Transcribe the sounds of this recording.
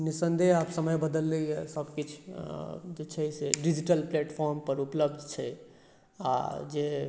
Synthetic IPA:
nisənd̪ʱeapsəməjbəd̪əlːɛjɛsəbkit͡ʃʰ | d͡ʒet͡ʃʰɛseɖid͡ʒiʈəlpleʈpʰɔɾmpəɾupləb̚d̪ʱt͡ʃʰɛ | a̰d͡ʒe

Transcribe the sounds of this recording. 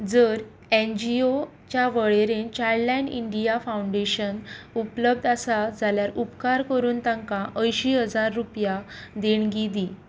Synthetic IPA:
d͡zəɾ | end͡ʑio | t͡ɕjaʋəɭeɾẽnt͡ɕalajɳɖḭɳɖijafawuɳɖeɕənupləb̚d̪ʱasad͡zʱaljaɾupkaɾkəɾuːnt̪ãŋkãʔəjɕiːɦəd͡zaɾːupjad̪eɳɡid̪i

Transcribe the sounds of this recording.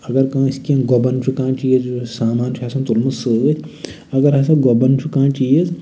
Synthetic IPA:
ɐɡɐɾkãːiskẽɡobɐnt͡ʃʰukãːt͡ʃiːzsaːmaːnt͡ʃʰasɐ̃t̪ulmɐsɨʋɨt̪ʰ | ɐɡɐɾɦɐs̬ɐ̃ɡobɐnt͡ʃʰukãːt͡ʃiːz

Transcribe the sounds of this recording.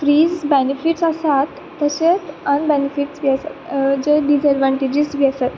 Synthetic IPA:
fɾiːzbenifiʈsasat̪ːəɕet̪ənbenifiʈsʋiasa̰t̪d͡ʑəɖizəɖʋãɳʈid͡ʑisʋiasat̪

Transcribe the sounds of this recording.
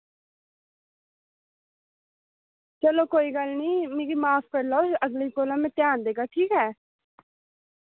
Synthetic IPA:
t͡ʃəloːkoːiːɡəlniːmẽːɡiːmaːpʰkəɾlaːoəɡliːkoːlãːmɛ̃ːt̪jãːnd̪eːɡaːʈʰiːkɦɛː

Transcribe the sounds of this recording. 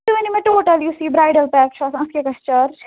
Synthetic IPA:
t̪uʋenimẽʈoːʈɐljusiːbɾaːjɖɐlpɛːkt͡ʃʰaːsɐskekɐst͡ʃɐɾ

